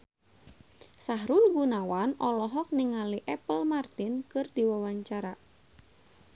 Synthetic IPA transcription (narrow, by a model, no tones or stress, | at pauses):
saɦɾulɡunawanɔlɔɦɔk̚niŋaliʔɛpəlmart̪inkɨrdiwawaɲt͡ʃaɾa